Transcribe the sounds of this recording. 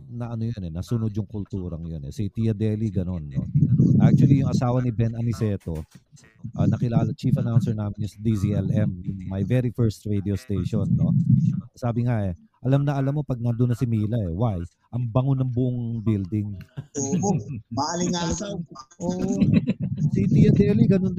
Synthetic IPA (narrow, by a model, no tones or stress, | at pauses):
nɐʔɐnojonɛnɐsunod̪jʊŋkʊlt̪uːɾɐŋjonɛ̰sit̪iɐd̪ɛːliɡɐno̞nːo̞̰ʔak̚t͡ʃuwɐlijʊŋʔɐsaːwɐnɪbɛnɐmɪsɛːt̪o̞ | ʔɐ̰nɐkɪlaːlɐt͡ʃifɐnawnsɛɹnaːmɪnjsɐd̪iziʔɛlɛmjʊŋmajvɛɾifɛɹst̪ɹed̪iost̪ejʃonːo̞̰saːbɪŋaʔɛ | ʔɐlɐmnɐʔɐlɐmːopɐɡ̚nɐd̪ʊnːɐsɪmiːlɐɛwaj | ʔɐŋbɐŋonɐŋbʊʔoŋbild̪ɪŋobalɪŋa | oːʔsit̪iɐd̪ɛliɡɐnond̪